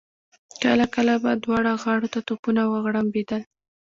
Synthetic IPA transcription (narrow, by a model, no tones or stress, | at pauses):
kəlakəlabad̪wɑɽaɣɑɽot̪at̪opunawəɣɽambed̪əl